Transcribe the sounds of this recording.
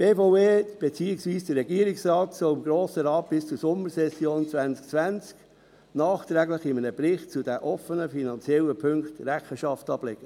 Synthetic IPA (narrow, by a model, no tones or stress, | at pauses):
b̥eːfoʊeːb̥et͡siːɪksviːsd̥əːɛɡiːəɾɪksrɑːtsɔlɪmɡɾoːsəɾɑːt̚b̥ɪst͡susʊməɾsɛsjoːnt͡svænsk̚t͡svʋænt͡sk | nɑːχt̪ɾɛɡləχɪmənəbɾɪχtt͡sudæʔɔfənəfinɑnt͡sjɛləpʰʏŋktrɛχəʃɑftɑb̥lɛɡ̥ə